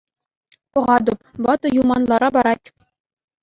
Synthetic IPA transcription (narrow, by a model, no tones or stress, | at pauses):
pɤ̆ʁɑd̪ŏpʋɑt̪ɤ̆jumɑnlˠɑɾɑbɑɾɑtʲ